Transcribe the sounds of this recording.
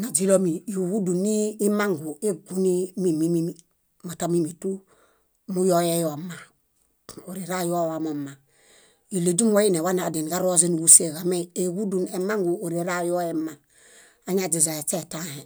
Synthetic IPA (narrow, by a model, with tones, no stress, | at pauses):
na˨d͡ʒi˦lo˦mi˨ju˨ɡu˦du˨nːiː˦ma˦ŋɡu˨e˦ɡu˦ni˦mi˦˨mi˦mi˦mi˦ | ma˨ta˦mi˦mi˨tu˦ | mu˦jo˦je˦jo˨ma˨ | o˨ɾi˨ɾa˦jo˦wa˨mo˨mːa˨ | i˨le˨d͡ʒu˦m˦wa˦i˦ne˨wa˦na˨de˨n˨ɡa˦ɾo˦ze˦nu˨ɡu˦se˨ɡa˨me˦e˨ɡu˦du˨ne˨ma˦ŋɡu˨o˨ɾi˨ɾa˦jo˦je˦ma˨ | a˦ɲa˦˨d͡ʒi˨za˨e˨t͡ʃe˦ta˦he˨